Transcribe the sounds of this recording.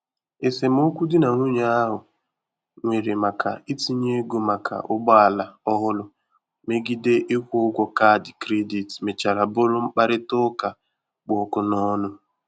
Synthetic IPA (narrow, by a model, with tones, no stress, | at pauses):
e˨se˨m˦o˦kʷu˦dɪ˦na˨ŋʷʊ˦ɲa˦a˦ɦʊ˨ | ŋʷe˨ɾe˨ma˨kʰa̰˨i˦ti˦ɲe˦e˦ɡo˨ma˨kʰa̰˨ʔʊ˦ɡ͡bɔ˦a˨la˨ɔ˦ɦʊ˦lʊ˦ | me˦ɡi˦de˦ʔɪ˦kʷʊ˦ʊ˦ɡʷɔ˨ka˦˨dɪ˨kɾe˦di˨tme˨t͡ʃa˨ɾa˨bʊ˦ɾʊ˦ŋ͡m̩˦k͡pa˦ɾɪ˦tʊ˦ka˨ | k͡pʊ˨˦kʊ˨nɔ˦nʊ˦